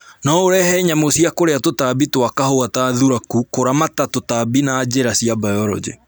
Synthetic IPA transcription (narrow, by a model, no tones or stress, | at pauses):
nɔoɾɛhɛɲamosiakoɾeatotabitwakahoataðuɾakukoɾamatatotabinaːd͡ʑeɾasiabajɔɾɔ̰d͡ʑḛ